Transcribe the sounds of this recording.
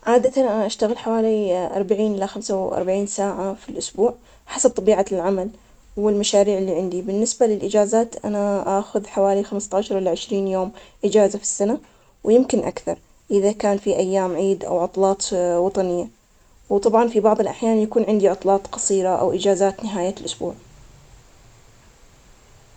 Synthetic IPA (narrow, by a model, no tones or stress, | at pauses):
ʕaːd̪at̪anʔaʔaʃt̪aɣɪlħawaːliʔɑɾˤbaʕiːnʔɪlːaxamsawʔɑ̰ɾˤbaʕiːnsaːʕafilʔʊsbuːʕ | ħasab̚t̪ˤɑbiːʕalʕamal | wɪlmaʃaːɾiːʕɪlːiːʕɪnd̪ibɪnːɪsbalɪlʔɪd͡ʒaːzaːt̪ʔa̰naʔaːxʊðħawaːlixamst̪ɑːʃɑɾˤʔɪlːaʕɪʃɾiːnjoːmʔɪd͡ʒaːzafi̥sːana | wjɪmkɪnʔa̰kθɑɾˤ | ʔɪðakaːnfiʔajːaːmʕiːd̪ʔa̰wʕʊt̪ˤlɑːt̪ˤwɑt̪ˤɑnɪjːa | wt̪ˤɑbʕɑnfibɑʕðˤɪlʔaħjaːnjakuːnʕɪnd̪iʕʊt̪ˤlɑːt̪ˤqɑsˤiːɾaʔa̰wʔɪd͡ʒaːzaːt̪nɪɦaːjalʔʊsbṵːʕ